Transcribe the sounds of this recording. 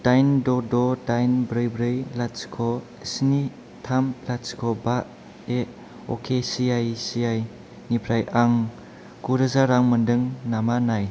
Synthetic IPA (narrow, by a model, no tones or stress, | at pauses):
d̥ajndɔdɔdajnbɾɯjbɾɯjlaskʰɔ | sni | tʰamlaskʰɔbaʔ | e | ɔ̰kʰesijajsiaj | nipʰɾajʔaŋ | kuɾɯzaɾaŋmɯndɯŋnamanaj